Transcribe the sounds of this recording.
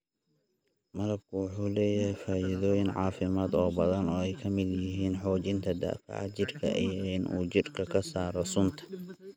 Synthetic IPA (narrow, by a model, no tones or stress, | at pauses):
mɐlɐb̚kʰʊwʊħuːlɛːjɐhɛjfaːʔɪðɔːjɪnʕɑ̰ːfɪmaːd̪ɔːbɐðɐnɔːɛjkʰɐmɪd̪jɪɦiːnħɔːt͡ʃɪnt̪ʰɐd̪a̰ːfɑ̰ʕɑ̰t͡ʃɪrkʰɐ̰ʔḭjɔɪnʔṵːt͡ʃɪrkʰɐkʰɐsaːɾɔsʊnt̪ʰɐ̥